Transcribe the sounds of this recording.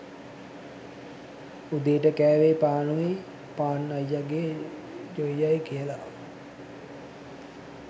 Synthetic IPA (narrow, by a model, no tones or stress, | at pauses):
ud̪eːʈəkæːʋeːpaːnuʋe | paːnːajjaɡeː | d͡ʒojjajkijəla